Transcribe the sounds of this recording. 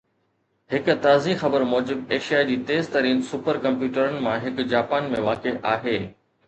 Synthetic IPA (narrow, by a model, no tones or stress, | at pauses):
hɪkʊ̆t̪aːzixɐbəɾmɔːd͡ʑɪbeːʃijaːd͡ʑiːt̪eːzt̪ɐɾiːnsʊpəɾkɐ̃mpjuːʈəɾənɪ̆mãɦɪkd͡ʑaːpaːnmẽʋaːkeʔaːɦeː